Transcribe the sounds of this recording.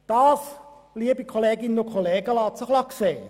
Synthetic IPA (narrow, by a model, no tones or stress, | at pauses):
d̥ɑːs | liəbikʰoleːɡɪnnʊkʰoleːɡ̥əlɑːt͡səχlɑkseː